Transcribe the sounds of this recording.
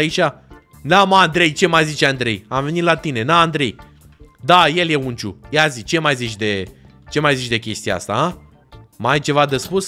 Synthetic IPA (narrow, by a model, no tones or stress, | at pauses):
ait͡ʃʲa | namaːnd̪ɾe̞jt͡ʃe̞majzit͡ʃeand̪ɾe̞̰jamve̞nit̪lat̪ine̞naːnd̪ɾe̞̰j | d̪aje̞lje̞unt͡ʃṵjazit͡ʃe̞majzit͡ʃʲd̪e̞ | t͡ʃe̞majzit͡ʃʲd̪e̞kʲe̞st̪ijḛa̰st̪a̰ | majt͡ʃe̞vad̪espus